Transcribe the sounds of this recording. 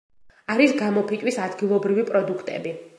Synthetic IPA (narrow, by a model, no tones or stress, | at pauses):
aɾisɡamɔpʰit̪ʼwisad̪ɡilˠɔbɾivipʼɾɔd̪ukʰt̪ʼɛ̰bi